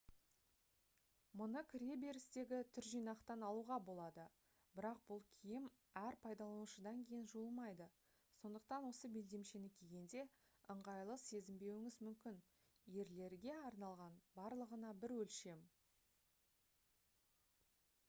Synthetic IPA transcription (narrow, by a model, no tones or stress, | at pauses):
mʊnəkʲʰɪɾe̞be̞ɾɪst̪e̞ɡʲɪt̪ʰʏɾʒijnɑqt̪ɑnɑlˠuʁɑbo̞lˠɑd̪ə | bɪɾɑq̚bʊlˠkʲʰijɪm | æɾpʰɑjd̪ɑlˠɑnuʃəd̪ɑŋkʲʰe̞jɪnʒuəlˠmɑjd̪ə | so̞nd̪əq̚t̪ɑnwo̞səbe̞ld̪e̞mʃe̞nɪkʲʰe̞ɡʲe̞nd̪e̞ | əɴʁɑjlˠəse̞zɪmbe̞wɪŋɪzmʏmkʲɪn | je̞ɾle̞ɾɡʲe̞ɑɾnɑlˠʁɑnbɑɾlˠəʁənɑbɪɾwɵlʃe̞m